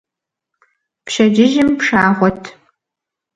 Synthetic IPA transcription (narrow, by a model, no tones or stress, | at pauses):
pʃɐd͡ʒɪʒɪmpʂaːʁʷɔtʰ